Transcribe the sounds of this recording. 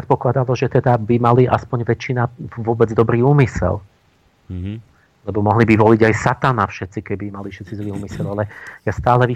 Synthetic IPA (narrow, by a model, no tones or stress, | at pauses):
ɛt̪pɔklad̪alɔʒɛt̪ɛd̪abimaliʔa̰spɔɲʋɛt͡ʃːinaʋʊɔbɛd͡zd̪ɔbɾiːuːmisɛ̰l | lɛbɔmɔɦlibiʋɔliɟajsat̪anafʃɛt̪t͡sikɛbimaliʃɛt̪t͡sizliːuːmisɛʎalɛjast̪aːlɛʋi